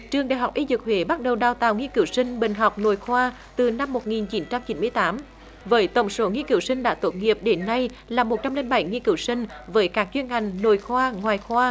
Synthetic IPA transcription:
t͡ɕɨ˨˩əŋɗaː˧˨jɦwk͡p̚ʔi˧zɨ˨˩k̚hwe˨˦ɓa˦˥t̚ɗə˨˩wɗaː˧˩wt̪aː˨˩wŋi˧kɨ˧˩˦wsï˧ŋ̟ɓï˨˩ŋ̟ɦa˨˩wk͡p̚no̰˧˩˨jxwaː˧ | t̪ɨ˨˩na˧mːo˨˩t̚ŋi˨˩nt͡ɕi˨˦nt͡ɕa˧mt͡ɕi˨˦nmɨ˧əjt̪aː˨˦m | vəː˨˦jt̪ə˧˩wŋ͡mso˨˦ŋi˧əkɨ̰˧˩˦wsï˧ŋɗa̰ː˧˥t̪o˨˦˥t̚ŋi˨˩əp̚ɗe˨˦nːa˧j | laː˨˩mo˨˩t̚t͡ɕa˧mle˧nɓa˨˧˩jŋi˧kɨ̰˧˩wsï˧ŋ̟vəː˨˦jkaː˦˥k̚t͡ɕwi˧ənha˨˩jŋ̟no˧˩˨jxwaː˧ŋwaː˨˩jxwaː˧

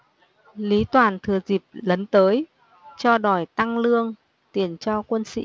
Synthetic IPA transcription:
li˨˦t̪waː˨˩nt̪ʰɨ˨˩əzi˨˩p̚lə˨˦nt̪əː˨˦j | t͡ɕɔ˧ɗɔ˨˩jt̪a˧ŋlɨ˧əŋ | t̪i˨˩ənt͡ɕɔ˧kwə˧nsḭ˧˥

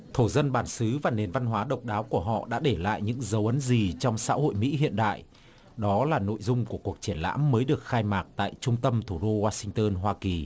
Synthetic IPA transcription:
t̪ʰo˧˩zə˧nɓaː˧˩nsɨ˨˦vaː˨˩ne˨˩nva˧nɦwaː˨˦ɗə˨˩wk͡p̚ɗaː˨˦wku˧˩əɦɔ̰˧˨ɗa̰ː˧˥ɗe˧˩la̰ː˧˨jɲɨ̰˧˥ŋzə˨˦wʔə˨˦nzi˨˩t͡ɕɔ˧wŋ͡msa̰ː˧˥ho̰˧˨jmḭ˧˥ɦḭ˧˨ənɗa̰ː˧˨j | ɗɔ˨˦laː˨˩no̰˧˨jzʊ˧ŋ͡mku˧˩əku˨˩ək̚t͡ɕi˧˩ənla̰ː˧˥mːəː˨˦jɗɨ˨˩ək̚xaː˧jmaː˨˩k̚t̪a̰ː˧˨jt͡ɕʊ˧ŋ͡mt̪ə˧mt̪ʰu˧˩ɗo˧waː˧sï˧ŋt̪əː˧nɦwaː˧ki˨˩

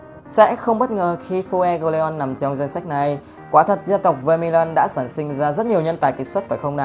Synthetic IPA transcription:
sɛ̰˧˥xə˧wŋ͡mɓə˦˥t̚ŋəː˨˩xi˧fu˧ʔɛ˧ɣo˧le˧ɔ˧nːa˨˩mt͡ɕɔ˧ŋ͡mzɛ˧ŋ̟sa˦˥k̚na˨j | kwaː˨˦t̪ʰə˨˩t̚zə˧nt̪ə˨˩wk͡p̚və˧mi˧laː˧nɗa̰ː˧˥saː˧˩nsï˧ŋ̟zaː˧zə˦˥t̚ɲi˨˩əwɲə˧nt̪aː˨˩jkï˨˩ŋ̟swə˦˥t̚faː˨˩xə˧wŋ͡mɗaː˨˩

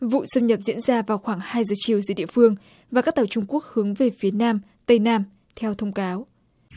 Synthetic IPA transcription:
vṵ˧˨sə˧mɲə˨˩p̚zḭ˧˥ənzaː˧vaː˨˩wxwaː˧˩ŋhaː˧jzəː˨˩t͡ɕi˨˩əwzɨː˨˦jɗḭ˧˨əfɨ˧əŋ | vaː˨˩ka˦˥k̚t̪aː˨˩wt͡ɕʊ˧ŋ͡mku˦˥ək̚hɨ˨˦əŋve˨˩fi˨˦ənaː˧m | t̪ə˧jnaː˧m | t̪ʰɛ˧wt̪ʰə˧wŋ͡mkaː˨˦w

